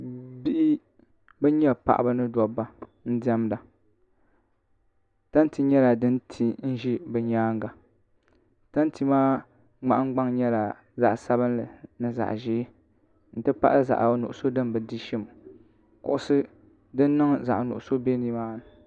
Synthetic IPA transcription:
bi˦ʔɪ˦ | bɛ˦ɲɛ˦pa̰˨ʔbɨ˦nɨ˦dɔ˨ba˦n̩˦dɛ˦mda˨ | ta˦n˦ti˦ɲɛ˦la˨dɨ˦ntʰi˨n̩˦ʒi˦bɛ˨ɲaː˦ŋ˦ɡa˨ | ta˦n˦ti˦maː˦ | ŋ͡ma˨ʔa˦ŋ˦ɡ͡ba˦ŋɲɛ˦la˨ | za̰˨ʔsa˦bɨ˦nlɨ˨nɨ˦za̰˨ʔʒɪː˦ | n̩˨tɨ˦pa˦ʔlɨ˦za̰˨ʔnʊ̰˨ʔʊ˨so˦dɨ˦mbɨ˨di˦ʃɪ˦m | kʊ̰˨ʔʊ˦sɨ˦ | dɨ˦nː˦ɨ˦ŋza̰˨ʔnʊ˨ʔʊ˨so˦be˦ni˦maː˦nɨ˨

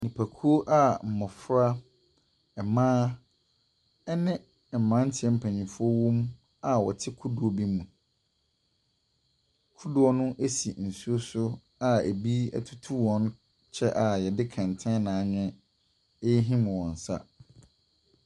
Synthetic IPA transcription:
nĩ˨pʰæ˨kʰu˦o˦ʔa˦˨m̩˨mɔ̃˨fɾa˦ | ɛ˨mãː˦ | ɛ˦nɪ̃˦˨ | m̩˨mã˦n̩˦tʰɪ˨ɛ˦m̩˨pʰæ̃˨ɲĩ˨fʊ˦ɔ˦wɔ̃˦m | a˨wɔ̰˨tʰɪ˦kʰu˦du˨o˨bi˦mũ˨ | kʰu˦dʊ˦ɔ˦nʊ̃˦ʔe˦si˨n̩˨su˦o˦sʊ˦ | a˨e˨bi˦ɛ̰˦tʰu˦tʰu˦wɔ̃˦n˦ | t͡ɕʰɛ˦ʔa˨jɛ˨dɪ˦kʰɛ̃˨n˨tʰɛ̃˦nã˨˦ɲɛ̃˦ | e˦ɦĩ˦m̃˨wɔ̃˨n̩˨sa̰˦

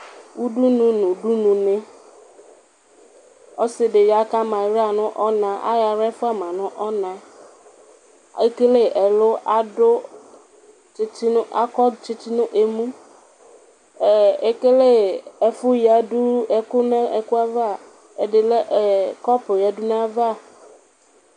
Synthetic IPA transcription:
wu˦du˦nʊ̃˨nʊ̃˨du˦nũ˨nɪ̃˦ | ɔ˦sɪ˨dɪ˨ja˨˦ka˦mã˨ɾa˨nʊ̃˦ʔɔ˦nã˨ʔa̰˦ja˨ɾɛ˦fʊ˦a˨mã˨nʊ̃˦ʔɔ˦nã˨ | e˦ke˦le˦˨ʔɛ˨lʊ˦ʔa˦dʊ˦ | t͡ʃɪ˦tɪ˦nʊ˦a̰˦kɔ˦t͡ʃɪ˦tɪ˦nʊ̃˦ʔe˨mũ˦ | ɛ˨e˦ke˦le˦ɛ˨fʊ˦ja˨du˦ɛ˨kʊ˦nã˦ɛ˨kʊ˦a˦va˦˨ | ɛ˨dɪ˨lɛ˦ʔɛ˨kɔ˦pʊ˨ja˨du˦nã˦va˦˨

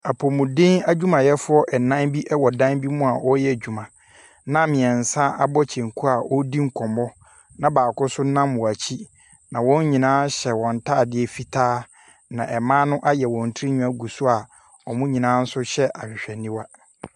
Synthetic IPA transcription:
a˨pʰɔ˨mũ˨dɪ̃˦ŋa˦d͡ʑᶣu˦mã˨jɛ˦fʊ˦ɔ˦ʔɛ˨nã˦nbi˦ʔɛ˦wɔ˨dã˦nbi˦mʊ̃˦a˨ʔɔ˦jɛ˦˨d͡ʑᶣu˨mã˨ | nã˦mɪ̃˨ɛ˨n̩˨sã˦ʔa˦bɔ˦t͡ɕʰɛ̃˨ŋ˨kʰu˦a˨ʔɔ˦di˦ŋ̩˦˨kʰɔ̃˨mɔ˦ | nã˦baː˨kʊ˦sʊ˦nã˦mːʊ̃˨a˨t͡ɕʰi˦ | nã˨wɔ̃˦ɲ˦ɲĩ˨nãː˦ɕɛ˨wɔ̃˨n˨tʰaː˦˨dɪ˦ɛ˦fi˦tʰaː˦ | nã˨ʔɛ˨mãː˦nʊ̃˦ʔa˦jɛ˨wɔ̃˨n̩˨tʰi˦ĩ˦ɲũ˦a˦ɡu˨sʊ˦a˨ | ɔ˨mʊ̃˦ɲĩ˨nã˦n̩˦sʊ˦ɕɛ˦ʔa˨ɕᶣɪ˨ɕᶣɛ˨nĩ˦wa˦

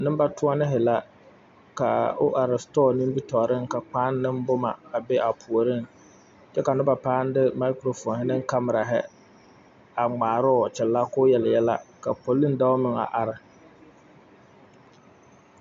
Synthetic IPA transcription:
nɪ˦mba˦tʊ˦ɔ˦nɪ˦ɦɪ˨la˦ | ka̰˨ʊ̰˦ʔa˨ɾɪ˨stɔː˦ni˦m˦bi˦tɔ˨ɾɪ˦ŋka˨k͡paː˦nː˦ɪ˦m˦bʊ˦ma̰˨a˨be˦ʔa˨pʰu˨o˨ɾɪ˦ŋ | t͡ʃɛ˦ka˨nʊ˦ba˨paː˦n˦dɪ˦ma˦kɾo˨fɔ˨nhɪ˨nɪ˦ŋ˦ka˦mɪ˨ɾa˨ɦɪ˦ | a˨ŋ͡maː˨ɾɔ˦˨t͡ʃɛ˨lːa˦kʊ˦jɛ˨ljɛ˦la̰˦ka˨po˨lːi˦n˦da˦ʊ˦mɪ˨ŋa̰˨ʔa˨ɾɪ˨

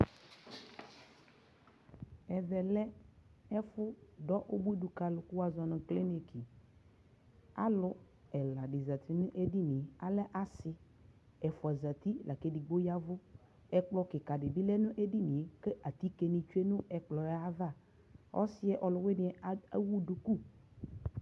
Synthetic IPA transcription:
ɛ˨vɛ˨lɛ˦ɛ˦fʊ˦dɔ˦ʔo˦bu˦i˦du˨ka˨lʊ˨kʊ˦wa˦zɔ˨nʊ̃˨kle˦ne˨ki˨ | a̰˦lʊ˦ | ɛ˨la˨dɪ˨za˨t̪ʰi˦nʊ̃˦ʔe˦di˦nĩ˨a˦lɛ˦ʔa˦sɪ˦ | ɛ˨fʊ˨a˨za˨t̪i˦la˨ke˨di˨ɡ͡bo˦ja˦vʊ˦ | ɛ˦k͡plɔ˦kɪ˨ka˨dɪ˨bi˦lɛ˦nʊ̃˦ʔe˦di˦nĩ˨e˨ke˦ʔa˨t̪i˦ke˨ni˨t͡ʃu˦e˦nʊ̃˦ɛ˨k͡plɔ˨ɛ˦a˦va˦˨ | ɔ̰˦sɪ˦ɛ˦ʔɔ˨lʊ˨we˦nɪ̃˨˦ɛ˨˦a˦wu˦du˨ku˦˨

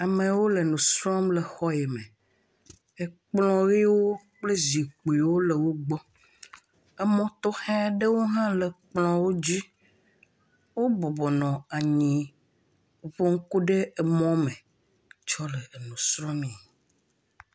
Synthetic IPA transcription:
a˨mẽ˨wo˦le˨nũ˨sɾɔ̃˦mle˨xɔ˦je˨mẽ˨ | e˨k͡plɔ̃˦ɣi˦wo˦ | k͡ple˦zi˨k͡pu˨i˨wo˦le˨wo˦ɡ͡bɔ˦ | ɛ˦mɔ̃˦t̪ɔ˦xɛ̃˦ɖe˦wo˦ɦã˦le˨k͡plɔ̃˨˦wo˦d͡ʑi˦ | wo˦bɔ˨bɔ˨nɔ̃˨a˨ɲĩ˨ | o˨ɸo˦ŋ̩˦ku˦ɖe˦e˨mɔ̃˦mẽ˨ | t͡ʃɔ˦le˨e˨nũ˨sɾɔ̃˦mĩ˨

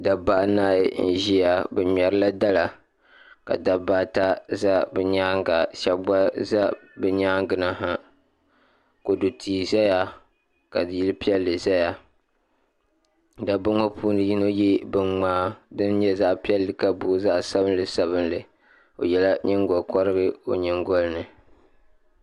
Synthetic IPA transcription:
da˨ba˦ʔnaː˦˨j̰n̩˨ʒi˦ja˨bɛ˨ɲɛ˨ɾɨ˦la˦da˦la˨ | ka̰˨da˨baː˦ta˦za˦bɛ˨ɲaː˦ŋɡa˨ʃa˦ɡ͡ba˦za˦bɨ˨ɲaː˦ŋɡɨ˨na˦ɦa˦ | ko˨du˨tʰiː˨za˦ja˦ | ka̰˨dji˦lɨ˦pi˦ɛ˦lːɨ˨za˦ja˦ | da˨bʊ˦ŋo˦pʰuː˦nɨ˨ji˦no˦ji˦bɨ˨ŋ͡maː˦dɨ˦nɲɛ˦za˦ʔpi˦ɛ˦lːɨ˨ka˨buː˨˦za˦ʔsa˦bɨ˦n˦lɨ˨sa˦βɨ˦nlɨ˨ | o̰˨jɛ˨la˦ɲɨ˦ŋ˦ɡɔ˨lkɔ˦ɾɨ˦ɡɨ˦o˨ɲɨ˨ŋɡo˦lnɨ˨

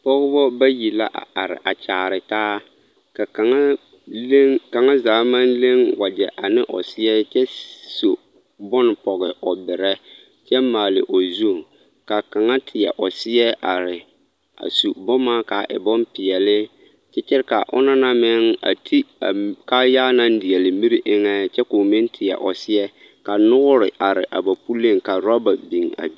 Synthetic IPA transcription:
pɔ˦ɣɪ˦bɔ˦ba˦ji˨la̰˦ʔa˨a˨ɾɪ̰˨ʔa˨t͡ʃaː˨ɾɪ˨taː˦ | ka˨a˨ŋa˦ | ka˨ŋa˦zaː˨˦ma˦nle˦ŋwa˨d͡ʒɛ˨ʔa˨nɪ˦ʔɔ̰˨sɪ˦ɛ˦t͡ʃɛ˦so˨ | bɔ˦n˨pɔ˨ɣɪ˨ɔ˨bɪ˨ɾɛ˦ | t͡ʃɛ˦maː˨lɪ̰˨ʔo˨zu˦˨ | ka˨ka˨ŋa˦tʰɪ˨jɛ̰˨ʔɔ˨sɪ˦jɛ˦ʔa˨ɾɪ˨ | a̰˨su˨bɔ˦maː˦ka˨ʔɪ̰˨bɔ˦n˦pɪ˨ɛ˨lɪ˦ | t͡ʃɛ˦t͡ʃɪ˦ɾɪ˦ka˨ʔʊ̰˦na˦nã˦mɪ˦ŋa̰˨tʰi˦a˨ka˦jaː˦nã˦n˦dɪ˨ɛ˨lɪ˨mi˦ɾi˦ʔɪ˦ŋɛ˦t͡ʃɛ˦ko˨mɪ̃˦ntʰɪ˨ɛ̰˨ʔɔ˨sɪ˦ɛ˦ | ka˨nʊ˦ɣʊ˦ɾɪ̰˨ʔa˨ɾɪ̰˨ʔa˨ba˨pu˦le˦˨ŋka˨ɾɔ˦ba˨bĩ˨ŋa̰˨bi˦

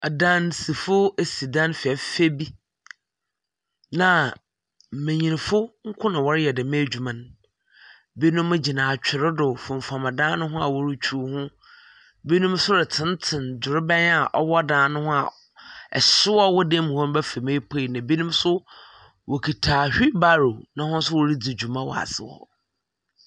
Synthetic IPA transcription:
dã˦n˨si˨fʊ˦e˨si˨dã˦nfɪ˨ɛ˨fe˦bi˦ | nã˨ | mẽ˨ɲĩ˨ñ˨fʊ˦ŋ̩˦kʰʊ̃˦nã˨wɔ˦ɾɪ˦jɛ˨dɪ˨mɪ̃˦˨d͡ʑᶣu˨mã˨n | bi˦nʊ̃˦mã˦d͡ʑi˨nãː˨t͡ɕᶣʰɪ˨ɾɪ˦dʊ˨fʊ̃˨ɱ̩˨fã˨mã˨dãː˦nʊ̃˦ɦʊ̃˦a˨wɔ˦ɾʊ˦t͡ɕʰu˨˦hʊ̃˦ | bi˦nũ˦msʊ˦ɾɪ˨tʰɪ̃˨˦n˦tʰɪ̃˨nd͡ʑʊ˨ɾɪ˦bɛ̃˦n˦a˨ʔɔ˦wɔ˦dãː˨˦˨nʊ̃˦hʊ̃˦a˨ | ɛ̰˨sɪ˦wɔ˦wɔ˦dẽ˦m̃˨hɔ̃˦n˦bɛ˦fe˨mẽ˦pʰe˦˨nã˨bi˦nũ˦m˦sʊ˦ | wʔɔ˨kʰi˨tʰaː˨hᶣi˦ba˦ɾo˨nã˨hʊ̃˦n̩˦sʊ˦wɔ˦ɾi˦d͡zi˨d͡ʑu˨mã˦wɔ̰˨a̰˨sɪ̰˨wɔ̰˨

